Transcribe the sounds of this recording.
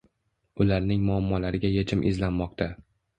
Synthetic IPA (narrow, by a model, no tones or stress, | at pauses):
ʊlaɾnɪŋmʊamːɒlaɾɪɡʲajet͡ʃʰɪmʔɪ̰zlanmɒqt̪ʰa